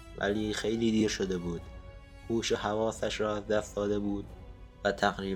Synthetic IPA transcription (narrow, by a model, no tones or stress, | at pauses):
væ̰liːxe̞jliːd̪iːɾʃo̞d̪e̞buːd̪̥ | huːʃeɦævɒːsæʃɾɒːæzd̪æst̪d̪ɒːd̪e̞buːd̪væt̪ʰæɣɾiː